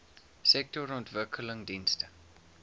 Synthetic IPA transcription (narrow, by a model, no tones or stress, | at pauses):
sɛk̚tɔɾɔntvəkʰələŋdinstə